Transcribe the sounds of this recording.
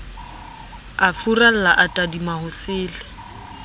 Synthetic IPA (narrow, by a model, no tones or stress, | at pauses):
afural̩laʔatʼadimahʊsɪːlɪ